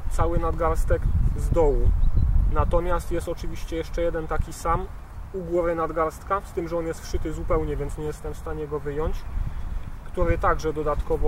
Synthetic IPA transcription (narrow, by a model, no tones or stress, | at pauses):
t̪sawɘnad̪ɡaɾst̪ɛkzd̪ɔwunat̪ɔmʲjast̪jɛst̪ɔt͡ʂɘvʲiɕt͡ɕɛjɛʂt͡ʂɛjɛd̪ɛnt̪akʲisam | uɡwɔvɘnad̪ɡaɾst̪kast̪ɘmʐɛɔnjɛst̪fʂɘt̪ɘzupɛwɲɛvʲjɛnt̪sɲɛjɛst̪ɛmfst̪aɲɛɡɔvɘjɔɲt͡ɕ | kt̪uɾɘt̪aɡʐɛd̪ɔd̪at̪kɔvɔ